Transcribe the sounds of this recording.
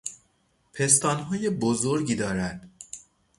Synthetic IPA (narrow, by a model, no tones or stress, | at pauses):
pʰe̞s̬t̪ɒːnɦɒːje̞bozoɾɟiːd̪ɒːɾænd̪̥